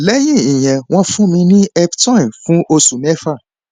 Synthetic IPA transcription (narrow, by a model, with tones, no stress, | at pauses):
lɛ˦j̃ĩ˦˨ĩ˨j̃ɛ̃˨w̃ɔ̃˦fũ˦mĩ˧nĩ˦ɛ˧btɔ̃˦˨fũ˦ʔo˧sũ˨mɛ̃˦fa˦˨